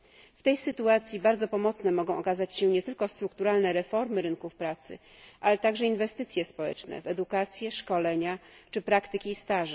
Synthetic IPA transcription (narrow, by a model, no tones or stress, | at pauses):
ft̪ɛjsɘt̪uat̪sʲjibaɾd̪zɔpɔmɔt̪snɛmɔɡɔ̃w̃ʔɔkazat͡ɕɕɛɲɛt̪ɘlkɔst̪ɾukt̪uɾalnɛɾɛfɔɾmɘɾɘnkufpɾat̪sɘ̰ | ʔalɛt̪aɡʐɛinvɛst̪ɘt̪sʲjɛspɔwɛ̰t͡ʂnɛ̰vɛd̪ukat̪sʲjɛʂkɔlɛɲat͡ʂɘpɾakt̪ɘkʲiːst̪aʐɛ